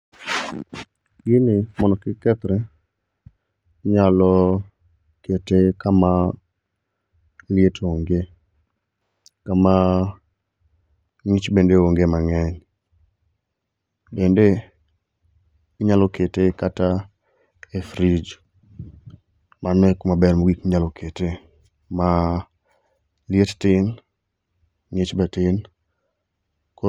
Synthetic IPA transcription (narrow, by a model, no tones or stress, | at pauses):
ɡɪnɪmɔnɔkɪkɛt̪ɾɛ | ɲalɔ | ketekama | lɪetoŋɡe | kama | ŋit͡ʃbendeoŋɡemaŋɛn | bende | iɲalɔketekata | efɾid͡ʒ | manɛkmabɛrmoɡikɲalɔkʰete | ma | ljettɪn | ŋit͡ʃbatɪn | ko